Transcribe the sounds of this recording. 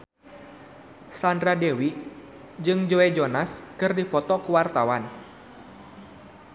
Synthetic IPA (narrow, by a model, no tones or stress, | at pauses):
sandɾadewi | d͡ʒɨŋd͡ʒoɛd͡ʒɔnaskɨrdipɔt̪ɔkuwart̪awan